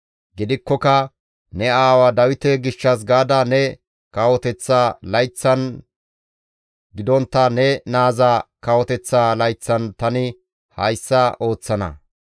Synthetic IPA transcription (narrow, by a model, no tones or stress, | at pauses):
ɡɪd̪ɪkːɔkɐ | nɛaːwɐd̪ɐwɪt̪ɛɡɪʃːɐs̬ɡaːd̪ɐnɛ | kɐwɔt̪ɛt͡sːaːlɐjt͡sːɐn | ɡɪd̪ɔnt̪ːɐnɛnaːzakɐwɔt̪ɛt͡sːaːlɐjt͡sːɐnt̪ɐnɪ | hɐjsːɐo̞ːt͡sːɐnɐ̰